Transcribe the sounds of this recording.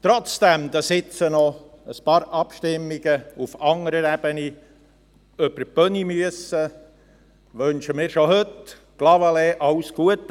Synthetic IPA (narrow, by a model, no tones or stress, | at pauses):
t̪ɾɔt͡sd̥̪ɛmd̪ɑsɪt͡sənɔ | əspɑːɾʔɑpʃtɪmːiɡəufɑŋəɾəɾɛb̥əni | œpəpœnimyəsə | ʋønʃəmiːɾʃoɦɵt | ɡ̥lɑwɑleːʔɑwsɡ̥uət̪ː